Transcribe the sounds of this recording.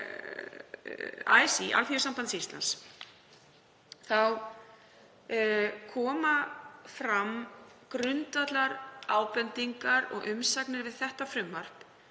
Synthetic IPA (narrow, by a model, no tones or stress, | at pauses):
a̰ːjsiʔa̰lfjʏsampant̪sist̪la̰ns | θaw | kʰɔːmafɾamkɾʏnt̪at̪laɾaːwpɛnt̪iŋkaɾɔ̰ɣʔʏmsaknɪɾvɪðθɛht̪afɾʏmːar̥p